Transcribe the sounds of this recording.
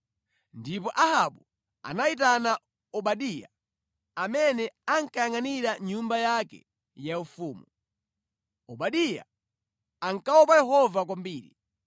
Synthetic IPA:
ndipɔʔahaɓu | a̰nait̬ana | ɔɓaɗija̰ | amɛnɛaŋkajaŋaniɾaɲumbajakɛ̰ | jaufuːmu | ɔɓaɗija̰ | aŋkawɔpajɛɦɔvakwambiːɾḭ

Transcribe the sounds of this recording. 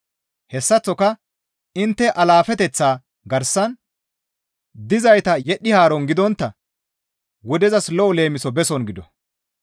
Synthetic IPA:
hɛsːɐt͡sːɔkɐ | ɪnt̪ːɛʔɐlaːfɛt̪ɛt͡sːaː | ɡɐɾsːɐn | d̪ɪzɐjt̪ɐjɛɗːɪhaːɾɔnɡɪd̪ɔnt̪ːɐ | wɔd̪ɛzɐslɔɔle̞ːmɪsɔbɛsɔnɡɪd̪ɔ

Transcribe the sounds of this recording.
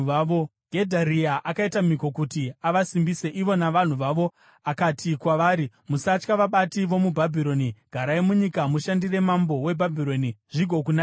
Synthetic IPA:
oɡʱe̞dʱaɾiaʔakaitamiko̞kutiaʋasimbise̞ʔiʋo̞naʋan̤uʋaːʋo̞ | akatʰikwaʋaːɾi | musat͡ʃkaʋaɓatiʋo̞mubʱabʱiɾo̞niɡ̥ʱaɾaemuɲikamuʃandire̞mambo̞we̞bʱabʱiɾo̞niʐiɡʱo̞kuna

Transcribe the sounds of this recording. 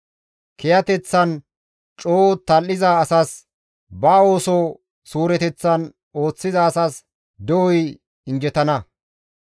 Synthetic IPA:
kɛjɐt̪ɛt͡sːɐn | t͡ʃʼoːt̪ɐlːɪzaːsɐs | bɐo̞ːsɔ | suːɾɛt̪ɛt͡sːɐn | o̞ːt͡sːɪzɐːsɐs | d̪ɔwɔj | ɪnd͡ʒɛt̪ɐnɐ

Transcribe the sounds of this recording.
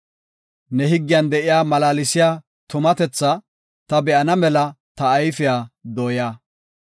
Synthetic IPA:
nɛhɪɡːɪjɐnd̪ɛʔɪjaːmɐlaːlɪsɪjaː | t̪ʊmɐt̪ɛt͡sːɐ | t̪ɐbɛʔɐnɐmɛlɐ | t̪ɐːjfɪjaːd̪oːjaː

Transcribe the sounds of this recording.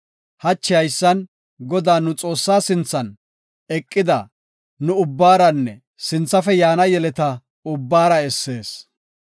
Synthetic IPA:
hɐt͡ʃːɪɐjsːɐn | ɡɔd̪aːnʊt͡sʼo̞ːsːaːsɪnt͡sːɐn | ɛkʼːɪd̪ɐ | nʊʊbːaːɾɐnːɛ | sɪnt͡sːɐfɛjaːnɐjɛlɛt̪ɐ | ʊbːaːɾɐɛsːe̞ːs

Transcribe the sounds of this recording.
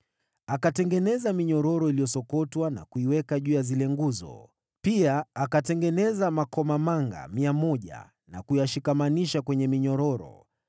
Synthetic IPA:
akatɛŋɡɛnɛzamiɲɔɾɔɾɔilijɔsɔkɔtwana̰kuiwɛkaʄuːjazilɛŋɡuzɔ̰ | piaːkatɛŋɡɛnɛzamakɔmamaŋɡa̰miamɔʄa̰ | na̰kujaʃikamaniʃakwɛɲɛmiɲɔɾɔɾɔ̰

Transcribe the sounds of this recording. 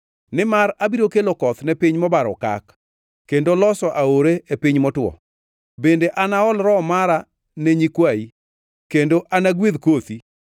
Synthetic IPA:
nɪmaɾabiɾokelokɔt̪nɛpɪɲmɔbaɾɔka̰k | kendolɔsɔʔaoɾeepiɲmɔtwɔ̰ | bendeʔanaɔlɾɔmaɾa | neɲikwai | kendoʔanaɡwiðkot̪i

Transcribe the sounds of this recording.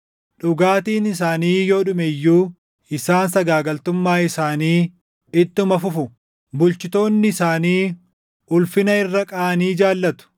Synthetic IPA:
ᶑʊɡaːt̪iːnɪs̬aːniːjo̞ːᶑʊmɛjːuː | ɪsaːnsɐɡaːɡɐlt̪ʊmːaːɪsaːniː | ɪt̪ːɪʊmɐfʊfʊ | bʊlt͡ʃɪt̪o̞ːnːɪɪsaːniː | ʊlfɪnɐɪrːɐkʼaːɐniːd͡ʒaːlːɐt̪ʊ̥

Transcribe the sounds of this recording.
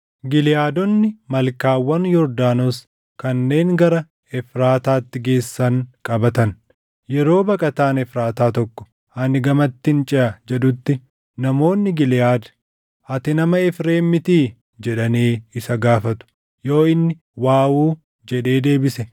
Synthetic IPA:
ɡɪlɪjaːd̪ɔnːɪmɐlkaːwːɐnjɔɾd̪aːnɔs | kɐnːe̞ːŋɡɐɾɐ | ɛfɾaːt̪aːt̪ːɪɡe̞ːsːɐŋkʼɐbɐt̪ɐn | jɛɾo̞ːbɐkʼɐt̪aːnɛfɾaːt̪aːt̪ɔkːɔ̥ | ɐnɪɡɐmɐt̪ːɪnt͡ʃʼɪʔɐd͡ʒɛᶑʊt̪ːɪ | nɐmo̞ːnːɪɡɪljaːd̪ɐ | ʔɐt̪ɪnɐmɐɛfɾe̞ːmːɪt̪iː | d͡ʒɛᶑɐniːɪsɐɡaːfɐt̪ʊ̥ | jo̞ːɪnːɪ | waːwuː | d͡ʒɛᶑe̞ːd̪e̞ːbɪsɛ

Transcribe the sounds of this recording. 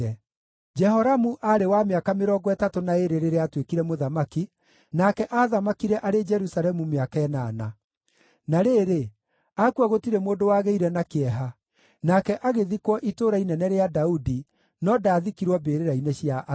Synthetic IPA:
ɛ | d͡ʒɛhɔɾamuʔaɾewameakameɾɔɡɔɛtatonaeɾeɾeɾeatwekiɾɛmoðamaki | nakɛʔaðamakiɾɛʔaɾed͡ʒɛɾusaɾɛmumeakɛnana̰ | naɾeːɾe | akuwaɣotiɾemwoːdowaːɣeiɾɛnakeɛɦa | nakɛʔaɣeðikwɔʔitoːɾainɛnɛɾeadaudi | nɔdaːðikiɾwɔbeɾeɾaineɕijaʔ

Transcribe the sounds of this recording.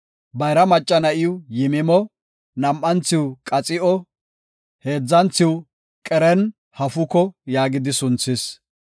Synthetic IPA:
bɐjɾɐmɐt͡ʃʼːɐnɐʔɪʊjɪmɪmɔ | nɐmʔɐnt͡sɪwkʼɐt͡sʼɪʔɔ | he̞ːd͡zːɐnt͡sɪwʊ | kʼɛɾɛn | hɐfʊkɔjaːɡɪd̪ɪsʊnt͡sːɪs

